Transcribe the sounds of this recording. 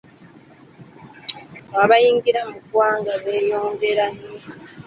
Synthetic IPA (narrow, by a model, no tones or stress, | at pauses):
aβajiːŋɡiɾamukwaːŋɡaβe̞ːjo̞ːŋɡe̞ɾani